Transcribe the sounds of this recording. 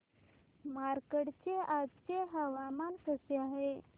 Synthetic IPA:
maɾkəɽt͡ɕeʔad͡zt͡ɕeɦəʋamansəseaɦe

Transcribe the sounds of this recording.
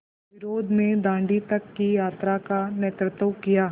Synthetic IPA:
ʋɪɾoːd̪ʱnẽd̪ãːɳɖit̪ɐkːijaːt̪ɾakaneːt̪ɾət̪əwkijaː

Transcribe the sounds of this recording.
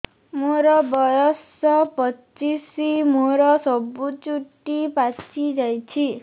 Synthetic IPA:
moɾʌbʌjʌs | ʌpʌt͡sisimoɾʌsʌbːut͡suʈːipat͡sid͡zʌjt͡sʰi

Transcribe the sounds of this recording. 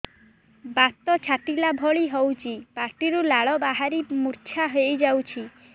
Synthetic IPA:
bat̪ɔt͡ʃʰaʈilabʱɔɭiɦɔwt͡ʃʰipaɾʈiɾulaɭɔbaɦaɾimuɾt͡ʃʰaɦejd͡ʒawt͡ʃʰi

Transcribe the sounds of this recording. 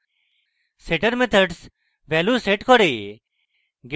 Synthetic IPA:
seʈəɾmet̪ʰəɖs | ʋɛluːseʈkʰoɽeː | ɡ

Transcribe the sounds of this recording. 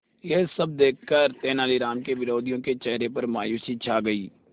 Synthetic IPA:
jeːsɐb̚d̪eːkʰːəɾt̪eːnaːliɾaːmkeʋɪɾoːd̪ijõket͡ʃɛɦɾepɐɾma̰ːjuːsit͡ʃʰaːɡɐiː

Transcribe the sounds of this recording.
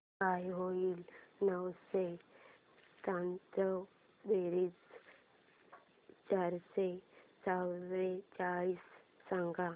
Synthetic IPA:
kajɦoiːlnəwse | sãnt̪ə | d̪eɾiːs | t͡ɕaɾset͡sawɾet͡ɕaɭiːsːãŋɡa

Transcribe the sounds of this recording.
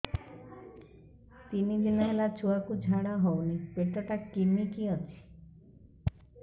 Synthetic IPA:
t̪inid͡ʒenaelat͡ʃuakud͡ʒʱaɽaɦɔwnipeʈɔʈakimikiɔt͡ʃʰi̥

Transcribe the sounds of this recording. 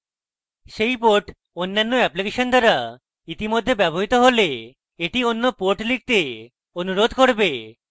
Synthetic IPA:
ʃejpoɾʈ | onːanːoɛplikeʃond̪aɾa | it̪imod̪ʱːebɛboɦit̪oɦole | eʈionːopoɾʈlik̚t̪e | onuɾod̪ʱkoɾbe

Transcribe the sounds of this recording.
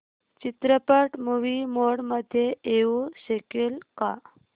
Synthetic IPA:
t͡ɕit̪ɾəpəʈmuʋimoɽməd̪ʱːjeʔeuɕekelka

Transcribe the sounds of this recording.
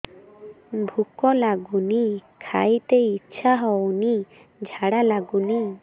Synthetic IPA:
bʱukɔlaɡunikʰajt̪eitːʃʰaɦɔwni | d͡ʒʱaɽalaɡuni

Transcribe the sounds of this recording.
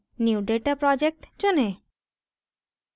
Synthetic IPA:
njuɖeʈapɾɔd͡ʒek̚ʈt͡ʃone

